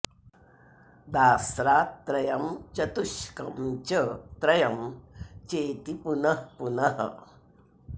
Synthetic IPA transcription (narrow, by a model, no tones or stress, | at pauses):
d̪aːsɾat̪ɾɐjɐmt͡ʃɐt̪uɕkɐmt͡ʃət̪ɾɐjɐmt͡ʃeːt̪ipunɐhpunɐɦɐ̰